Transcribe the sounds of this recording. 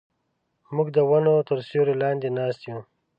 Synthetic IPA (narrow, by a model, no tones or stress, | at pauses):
mʊɡd̪əwanot̪əɾsoɾilɑːnd̪enɑːst̪jũ